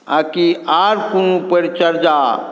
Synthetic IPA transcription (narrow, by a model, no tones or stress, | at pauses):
aːkiaːɾkunũpəɾt͡ʃəɾd͡ʒaː